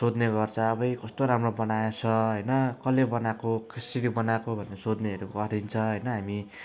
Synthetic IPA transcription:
sod̪nebʌrt͡sʰaːbʌjkʌst̪oɾamrobʌnajat͡sʰʌɦʌjnʌkʌlebʌnakokisiɾibʌnakobʱʌnːesod̪neɦʌɾukʌɾint͡sʰʌɦʌjnʌɦami

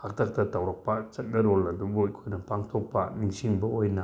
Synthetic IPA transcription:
hak̚tʰɐk̚tɐtawɾɐk̚pɐt͡ʃɐt̚nɐɾolɐdubuikʰojnɐpaŋtʰok̚pɐ̰niŋsiŋbɐojnɐ

